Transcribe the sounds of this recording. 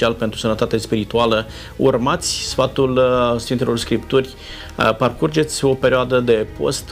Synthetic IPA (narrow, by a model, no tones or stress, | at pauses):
ialpe̞nt̪ɾusənət̪at̪espiɾit̪ualə | urmat̪sʲsfat̪ulsfint̪elo̞rskɾipt̪urʲ | parkurd͡ʒe̞t̪sʲo̞pe̞ɾioad̪əd̪e̞po̞̰st̪